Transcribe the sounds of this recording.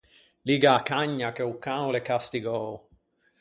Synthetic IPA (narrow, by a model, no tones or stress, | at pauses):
liːɡaːkaɲːakeukːawlekast̪iɡoː